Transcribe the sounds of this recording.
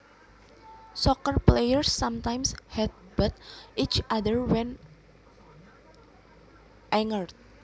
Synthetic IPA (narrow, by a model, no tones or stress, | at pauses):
sɔkərplejərsːamt̪ajmshɛt̪̚bət̪̚ʔit͡ʃʔad̪ərwɛ̃n | ʔɛŋərt̪̚